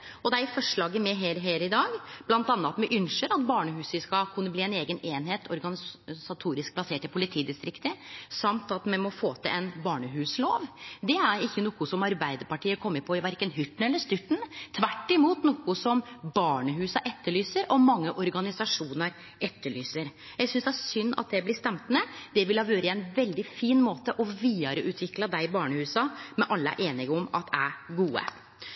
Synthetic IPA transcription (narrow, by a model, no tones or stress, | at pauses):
ɔd̪ɛæɾɪfɔʂɭɑːɡəmɛɦeːɾɦeːɾɪd̪ɑːɡb̥lɑnt̪ɑnːɑt̪mɛʔʏnʂəɾɑt̪bɑːɳəɦʉːsɪskɑkʰʉnːəbliːɛneːɡəneːnɦeːt̪ɔɾɡɑnsɑt̪ʰuːɾɪsk̚pʰlɑseːʈəpʰʊlɪt̪ʰiːd̪ɪst̪ɾɪkt̪əsɑmt̪ɑt̪mɛnmɔfoːt̪ʰɪlʔɛnbɑːɳəɦʉːsloːʋd̪ɛæɾɪçːənuːkʊsɔmɑɾbæɪd̪əɾpɑʈiːəkʰɔmːəɾpʰɔɪʋæɾkənɦʏt̪ːɳ̩ɛlːəʂt̪ʏt̪ːɳ̩t̪ʰʋæʈːɪmuːt̪nɔkʊsɔmbɑːɳəhʉːsɑʔɛt̪ːəɭyːsəɾʔɔmɑŋːəʔɔɾɡɑnɪsɑʂuːnəɾ | ɛt̪ːəɭyːsəɾ | jæɡsʏnsd̪ɛæsʏnːɑ̰t̪̚d̪ɛblɪst̪ɛmt̪mɛd̪ɛʋɪlhɑʋjøːɾəɛnʋɛld̪ɪfiːnmoːt̪əʔɔʋiːɑɾəʔʉːt̪ʰʋɪklɑd̪æɪbɑːɳəhʉːsɑmɛʔɑlːəæ̰ʔeːnɪɡɔmɑt̪ʰæɾɡuːə̰